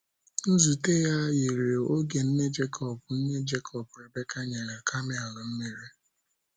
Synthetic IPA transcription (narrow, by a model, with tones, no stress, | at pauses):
n̩˦zu˨te˦ja˦je˨ɾe˨o˦ɡe˨n̩˦ne˦d͡ʒe˦kʰɔ˦bʊ˨n̩˦ne˦d͡ʒe˦kʰɔ˨pʊ˨ɾɪ˨be˦ka˦ɲe˨ɾe˨ka˦mɪ˦a˨lʊ˨m̩˦mi˨ɾi˦